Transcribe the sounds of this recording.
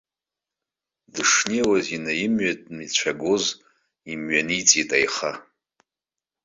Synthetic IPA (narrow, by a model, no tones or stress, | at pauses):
dɨʂniwazinajimɥatʼmit͡ɕʷʰaɡoz | imɥanit͡sʼitʼajχa